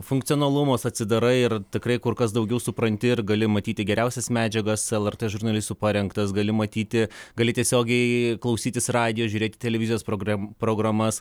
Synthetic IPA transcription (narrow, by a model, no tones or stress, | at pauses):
fʊŋkt̪ʲijoːnɐlˠʊmoːsɐt̪ʲsʲɪd̪ɐɾɐɪɪrt̪ʲɪkɾɐɪkʊrkɐs̬d̪ɐʊɡʲɛʊsʊpɾɐnʲt̪ʲɪɪrɡɐlʲɪmɐt̪ʲiːt̪ʲɪɡʲɛɾʲɛʊsʲɛsmʲæːd͡ʒʲɛɡɐsɛlˠɛrt̪eːʒʊrnɐlʲɪst̪uːpɑːɾʲɛŋkt̪ɐsɡɐlʲɪmɐt̪ʲiːt̪ʲɪɡɐlʲɪtʲiɛsʲoːɡʲɛɪklˠɐʊsʲiːt̪ʲɪsrɑːd̪ʲɪjoːʒʲuːɾʲeːt̪ɪ̥t̪ʲɛlʲɛʋʲɪzʲjoːspɾoːɡɾɐpɾoːɡɾɐmɐs